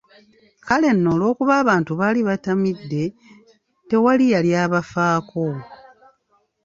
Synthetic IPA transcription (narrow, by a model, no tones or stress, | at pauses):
kale̞nːo̞ːlo̞ːkuβaːβaːntuβaːliβatamidːe̞ | te̞walijaljaːβafaːkʰo